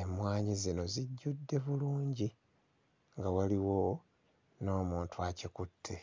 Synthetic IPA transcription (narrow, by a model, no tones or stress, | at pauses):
emwaːɲizino̞ziɟːudːe̞βuluːɲɟi | ŋɡawaliwo̞ | no̞ːmuːntuacekutʰːe